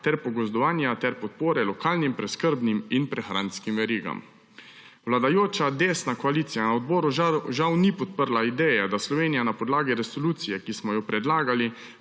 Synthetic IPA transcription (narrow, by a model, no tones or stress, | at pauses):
t̪ɛɾpɔɡɔzd̪ɔʋaːnjat̪ɛɾpɔt̪poːɾɛlɔkaːlnimpɾɛskəɾbniminpɾɛxɾa̰nskimʋɛɾiːɡa̰m | wlad̪ajoːt͡ʃad̪eːsnakɔaliːt̪sijanaɔd̪bɔːɾuʒawnipɔt̪̚pəɾlaid̪ɛːjɛd̪aslɔʋeːnijanapɔd̪laːɡiɾɛsoluːt̪sijɛkismɔjɔpɾɛd̪laːɡali